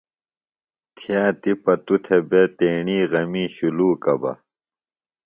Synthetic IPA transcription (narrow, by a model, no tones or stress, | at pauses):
t̪ʰijaːt̪ipɐt̪ut̪ʰebet̪eːɳiːɣɐmiːɕuluːkɐbɐ̰